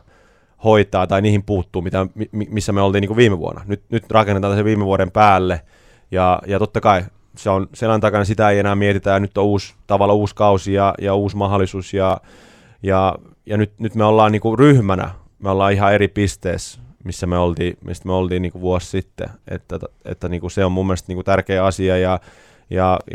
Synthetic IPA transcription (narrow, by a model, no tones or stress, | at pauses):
hoit̪ˑɑːt̪ɑiniːhimpuːt̪ːuːmit̪æmimimisːæmeolt̪iːniːŋkuʋiːmeʋṵo̰nːɑ̰nyt̪nyt̪rɑkenːet̪ɑːnæseʋʋiːmeʋuoɾempæːlːe | jɑjɑt̪ot̪ːɑkɑi | seonselænt̪ɑkɑnɑsit̪æeienæːmiet̪it̪æjɑnyt̪ːouːst̪ɑʋɑlːɑuːskɑusijɑjɑuːsmɑhɑlːˑisuːsjɑ | jɑ | jɑnyt̪nyt̪meolːɑːnniːkuryhmænæ̰ | meolːɑːihɑeɾipist̪ḛːsmisːæmeolt̪iːmḭst̪meolt̪iːnniːŋkuʋuossit̪ːḛʔḛt̪ːæḛt̪ːæniːŋkuseommumːĕlest̪niːŋkut̪ærkeːɑsiɑjɑ | jɑ